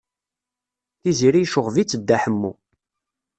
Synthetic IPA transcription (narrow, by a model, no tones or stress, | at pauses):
θiziɾijʃʊʁvit͡sːəd̪ːæħəmːṵ